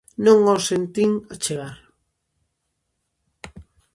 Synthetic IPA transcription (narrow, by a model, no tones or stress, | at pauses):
nõŋosent̪iŋat͡ʃeɣaɾ